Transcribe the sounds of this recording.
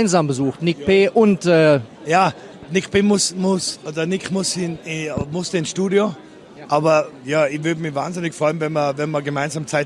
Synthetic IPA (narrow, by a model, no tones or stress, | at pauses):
ɪnzaːmbəzuːxtnɪkpeːʔʊntɛːjaː | nɪkpeːmʊsmʊsʔodɐnɪkmʊshɪnmʊstəɪnsʃtuːdjo | ʔaːbɐjaːɪçvʏɐdəmɪçvaːnzɪnɪçfʁ̥ɔʏənvɛnmɐvɛnmɐɡəmaɪnzaːmt͡saɪt